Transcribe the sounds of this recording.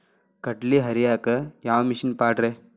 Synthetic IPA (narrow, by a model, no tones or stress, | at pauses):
kɐʈliɦɐɾijaːkɐjaːwmiʃinpaːʈɾe